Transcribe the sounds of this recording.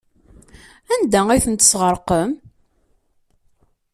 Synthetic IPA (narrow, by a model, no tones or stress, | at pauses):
ænd̪æiθənt̪ə̥sʁəɾqəm